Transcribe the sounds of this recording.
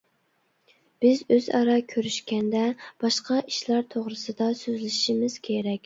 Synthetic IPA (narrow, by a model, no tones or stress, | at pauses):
b̥ɪzøzɑ̰ɾɑkʲʰøɾyʃkʲɛnd̪ɛb̥ɑʃqʰɑʔiʃlˠɑɾt̪ʰoʁɾɨsɨd̪ɑsøzlɪʃimɪz̥kʲʰeɾɛkʲ